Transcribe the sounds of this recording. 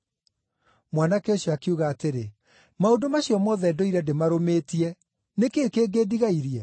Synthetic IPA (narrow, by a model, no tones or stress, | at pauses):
mwanakeoɕjɔakeuɣaːteɾe | maodomaɕjɔmɔːðɛdɔiɾɛdemaɾomeːtiɛ | nekekeːɡeːdiɣaiɾiɛ